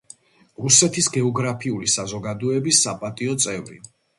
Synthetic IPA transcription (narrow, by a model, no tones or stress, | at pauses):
ɾusɛt̪ʰisɡɛɔɡɾapʰiulisazɔɡad̪ɔɛbisːapʼat̪ʼiɔt̪sʼɛvɾḭ